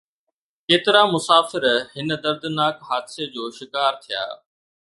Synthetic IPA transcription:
keːt̪ɪɾamʊsaːfɪɾhɪnə̆d̪ɐɾd̪naːkɦaːd̪sed͡ʑoːʃɪkaːɾt̪ʰija̰ː

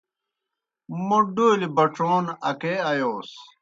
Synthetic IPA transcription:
muɖulibɐʈ͡ʂoːnɐkeːɐjoːs

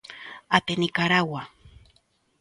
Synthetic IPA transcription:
at̪enikaɾawa

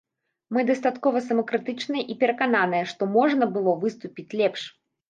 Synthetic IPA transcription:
mɨd̪ɐst̪at̪kɔvɐsɐmɐkɾɨt̪ɨt͡ʂnɨjɐʔipʲɛɾɐkananɨjɛʂt̪ɔmɔʐn̪ɐbɨlˠɔvɨst̪upʲit͡sʲlʲɛpʂ

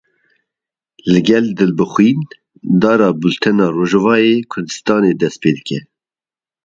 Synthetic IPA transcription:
lɨɡɛld̪ɨlbɨxwiːn | d̪ɑːɾɑːbult̪ʰɛnɑːroːʒɛvɑːeːkʷʰʊɾd̪ɨst̪ɑːneːd̪ɛst̪̚peːd̪ɨkɛ

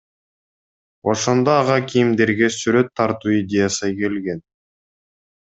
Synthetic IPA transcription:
o̞ʃo̞nd̪oɑʁɑkʲʰijimd̪e̞ɾɡesyɾø̞t̪ʰːɑɾt̪uːid̪ʲejasɯke̞lɡe̞n

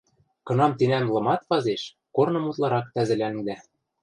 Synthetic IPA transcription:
kɤ̆nɑmt̪inæmlˠɤ̆mɑt̪pɑzeʃ | kornɤ̆mut̪lˠɑɾɑk̚t̪æzɘ̆læŋd̪æ

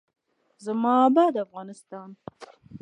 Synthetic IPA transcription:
zamɑbɑd̪afɣɑnɪst̪ɑn

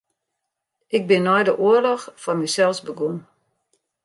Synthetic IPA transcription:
ʔɪɡ̚bɪnːɔjdəʔuəlɔxfɔnmysɛlˠsbəɡun

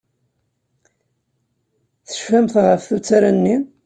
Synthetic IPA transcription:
θə̥ʃfæmθʁəfθut͡sːaɾænːi

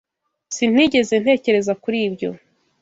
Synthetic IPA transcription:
sin̥wiːɟe̞ze̞n̥e̞ːce̞ɾe̞zakuɾiːbɟo̞̰

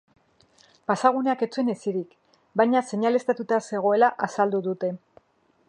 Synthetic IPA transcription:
pasaɣ̞une̞ake̞t͡sue̞ne̞siɾik | bajɲase̞ɲale̞st̪at̪ut̪ase̞ɣ̞o̞e̞laʔasald̪uðut̪e̞

